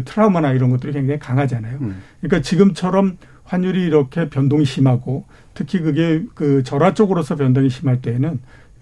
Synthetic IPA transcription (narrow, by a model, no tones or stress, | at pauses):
tʰɯɾaumanaiɾʌnɡʌt͈ɯɾikwe̞ŋd͡ʑaŋikaŋɦad͡ʑanajokkɯɲik͈at͡ɕiɡɯmt͡ɕʰʌɾʌm | ɸwaɲːuɾiːɾʌkʰe̞pjʌndoŋiɕʰimɦaɡo | tʰɯkʰik̬ɯɡe̞kɯt͡ɕʌɾat͡ɕ͈oɡɯɾosʰʌp̬jʌndoŋiɕʰimaɭt͈e̞ːnɯn